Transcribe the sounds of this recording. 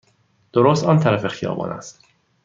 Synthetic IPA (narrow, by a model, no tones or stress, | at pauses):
d̪̥oɾoːst̪ɒːnt̪ʰæɾæfe̞xijɒ̰ːbɒ̰ːnʔæ̰st̪